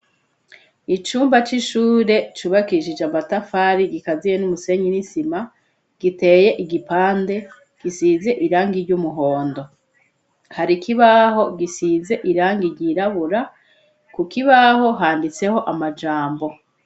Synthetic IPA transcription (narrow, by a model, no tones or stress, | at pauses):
it͡ʃuːmbat͡ʃiʃuːɾe̞t͡ʃuːβakiʃid͡ʒeamatafaːɾiɡikazijenumuse̞ɲinisima | ɡ̥ite̞ːje̞ʔiɡipaːnde̞ | ɡ̥isize̞ʔiɾaːŋɡiɾɟumuɦo̞ːndo̞ | haɾikiβaɦo̞ɡisize̞ʔiɾaːŋɡiɾɟiːɾaβuɾa | kukiβaɦo̞ɦaːndit͡se̞ho̞ʔamad͡ʒaːmbo̞